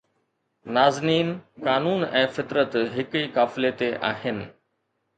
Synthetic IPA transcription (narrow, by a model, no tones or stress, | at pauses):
naːzniːnkaːnuːnɛ̃ːfɪt̪ɾət̪ɦɪkiːkaːfɪlet̪eʔaːɦɪnɪ̆